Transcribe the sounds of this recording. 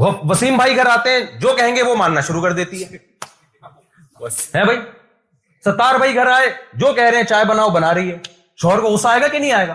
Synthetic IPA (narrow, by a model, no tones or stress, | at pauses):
ɐʋɐsiːmbʱaːiɡʱɐɾaːt̪eɦɛ̃d͡ʒoːkɛɦẽːŋɡeʋomaːnnaʃʊɾukɐɾd̪eːt̪iɦɛː | ɦɛ̃ːbʱai | sɐt̪ːaːɾbʱaːiɡʱɐɾaːed͡ʒoːkɛɦɾɐeɦɛ̃t͡ʃaːebɐnaːobɐnaːɾɐɦiɦɛː | ʃɔːɦɾkoʊsaːeːɡakinɐɦĩaːeːɡaː